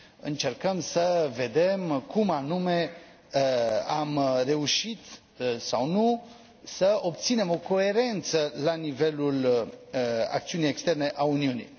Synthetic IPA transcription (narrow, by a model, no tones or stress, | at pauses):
ɨnt͡ʃe̞rkəmsəve̞d̪e̞mkʰumanume̞ | amre̞uʃit̪ | sawnu | səo̞p̚t̪sine̞mo̞ko̞e̞ɾe̞nt̪səlanive̞lul | a̰k̚t̪siunijekst̪e̞rne̞ʔauniunḭj